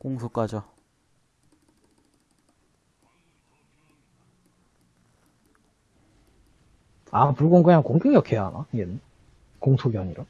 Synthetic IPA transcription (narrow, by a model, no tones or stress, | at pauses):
koŋsʰok͈ad͡ʑa | apuɭɡonŋɡɯɲaŋkoŋɡuŋiʌkʰejaɦa̰naien | koŋsʰoɡjʌɲiɾa